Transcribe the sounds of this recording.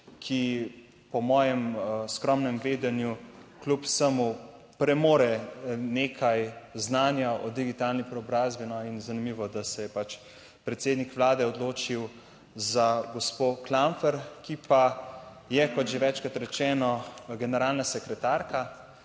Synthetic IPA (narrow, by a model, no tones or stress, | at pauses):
kʰi | pɔmɔːjɛmskɾɔmnɛmʋeːd̪ɛnjuklupsəmu | pɾɛmoːɾɛneːkʰajznaːnjaʔɔd̪iɡit̪aːlnipɾɛɔbɾaːzbinɔinzanimiːʋɔd̪asɛjɛpat͡ʃ | pɾɛt̪seːd̪nikʋlaːd̪ɛɔd̪loːt͡ʃiw | zaɡɔspoklaɱfɛɾkipa | jɛkɔt̪ʒeʋɛt͡ʃkat̪ɾɛt͡ʃɛːnɔɡɛnɛɾaːlnasɛkɾɛt̪aɾka